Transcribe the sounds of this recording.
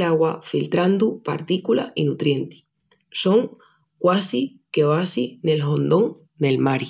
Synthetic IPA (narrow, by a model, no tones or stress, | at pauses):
laɣwafilt̪ɾand̪upa̰ɾt̪ikula̰ʔinut̪ɾje̞nt̪i̥ | so̞ŋ | kwasi | ke̞asine̞lɦo̞nd̪o̞ŋ | ne̞lmaɾj